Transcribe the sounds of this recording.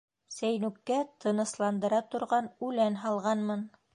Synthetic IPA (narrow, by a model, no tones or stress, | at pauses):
sæjnʉkːæt̪ʰɤ̆nɤ̆slˠɑnd̪ɤ̆ɾɑt̪ŏɾʁɑnʉlænɦɑlˠʁɑnmɤn